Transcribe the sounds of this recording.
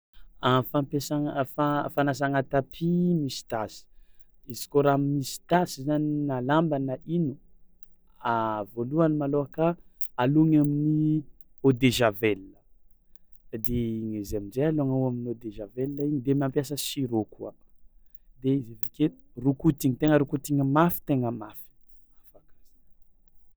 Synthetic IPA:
afampesafafanas̬aŋat̪apʰimisi̥t̪asi̥ | izi̥koɾammisi̥t̪asizaninalambanəʔinu | avoluanimaloakaaluŋamini | od̪eʒavelnə | d̪eiŋezeaminzealoŋauaminod̪eʒavelnəiɲid̪emiampjas̬əsiɾokua̰ | d̪eizevakerukut̪iŋit̪eŋəɾukut̪iŋəmafi̥t̪eŋəmafi̥ | afakaz̥ḁ

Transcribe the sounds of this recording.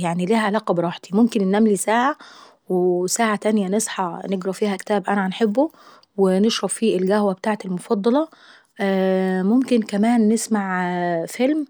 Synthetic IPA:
jaʕniliːhʕalæːqɑbɾˤɑːħt̪imomkennʔæmlisaːʕa | wesaːʕat̪ænjænesˤħɑneɡɾˤɑfiːhækt̪æːbʔænænħebːo | weneʃɾˤɑffiːʔelɡæhwæbet̪aːʕt̪elmofɑd̪ˤːɑlɑ | momkɪnkæmæːnːesmaʕfelm

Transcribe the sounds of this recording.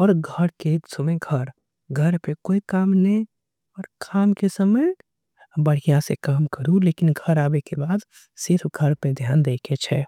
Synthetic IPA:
ɔːɾɡʱəɾkesəmeɡʱəɾ | ɡʱəɾpekoikaːmnẽ | ɔːɾkʰaːmkesəmə | bəɽ̤ijãsekaːmkəɾuleːkɪnɡʱəɾaːbekebaːd̪ | sɪɾpʰɡʱəɾpẽd̪ʱjaːnd̪eːket͡ʃʰɛ

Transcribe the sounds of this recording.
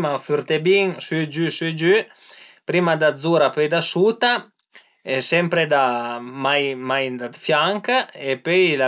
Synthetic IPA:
mafyɾt̪ebiŋsd͡ʒysid͡ʒy | pɾimad̪ad̪zuɾapøjd̪asut̪a | ɛsɛmpɾed̪amajmajd̪ad̪fjaŋkepøjla

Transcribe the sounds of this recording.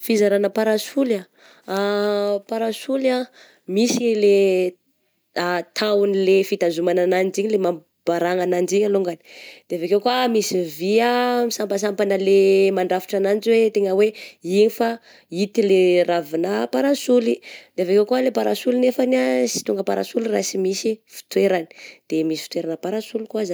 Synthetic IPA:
fizaɾanəpaɾasula | apaɾasula | misile | at̪ʰaunilefit̪azumananand͡ʒiɲilema | b̥aɾaŋanand͡ʒiɲaluŋɡani̥d̪̥eavekewkuamisiviamisampəs̬ampanəlemaɳɖ͡ʐafi̥ʈ͡ʂananziwet̪eŋəweiɲifa | it̪ileravinapaɾasulid̪̥eavekewkualepaɾasulinefanasi̥t̪uŋɡəpaɾa̰sulirasimisifi̥t̪weɾani̥d̪̥emisi̥fit̪weɾanəpaɾasulikuaza

